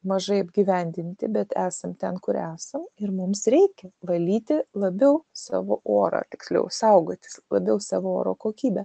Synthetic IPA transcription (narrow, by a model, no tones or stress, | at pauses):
mɐʒɐɪɐbʲɡʲiːʋʲɛnʲd̪ʲɪnʲt̪ʲɪbʲɛt̪æːsɐmt̪ʲɛnkʊɾæːsɐmɪrmʊmsɾʲɛɪkʲɛʋɐlʲiːt̪ʲɪlˠɐbʲɛʊsɑ̰ːʋoːʔoːɾɐ̰ːt̪ʲɪksʲlʲɛ̰ʊsɐʊɡoːt̪ʲɪ̥slˠɐbʲɛʊsɑːʋoːoːɾoːkoːkʲiːbʲɛ